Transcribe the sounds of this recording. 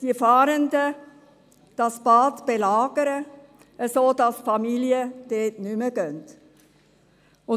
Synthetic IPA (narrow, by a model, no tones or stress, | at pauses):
d̥iəfɑːɾəndə | d̥ɑsb̥ɑːtb̥elɑːɡ̥əɾə | ʔəsoːdɑsfɑmiliəd̥eːtnyməɡ̥œnt | ʊ